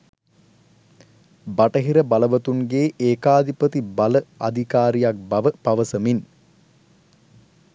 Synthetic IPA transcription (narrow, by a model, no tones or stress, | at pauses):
baʈəɦiɾəbaləʋət̪uŋɡeːʔeːkaːd̪ipət̪ibaləa̰d̪ʱikaːɾijak̚bɐʋəpaʋəsəmin